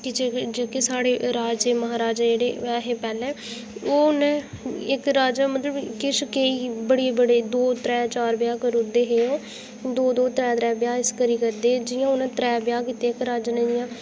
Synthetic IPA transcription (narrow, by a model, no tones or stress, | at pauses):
kɪd͡ʒeːd͡ʒeːkesaːɽeːɾaːd͡ʒeːməɦaːɾaːd͡ʒːd͡ʒeːɽeːɛːɦeːpɛːlɛ̃ː | oːʊnẽː | ɪkɾaːd͡ʒamət̪ləbkɪʃkeiːbəɽeːbəɽeːd̪oːt̪ɾɛ̃ːt͡ʃaːɾbɪjaːkəɾʊd̪eːɦeːõː | d̪oːd̪oːt̪ɾɛːt̪ɾɛːbɪjaːɪskəɾiːkəɾd̪eːd͡ʒɪjãːʊnẽːt̪ɾɛːbjaːkɪt̪eːɪkɾaːd͡ʒənẽd͡ʒɪjãː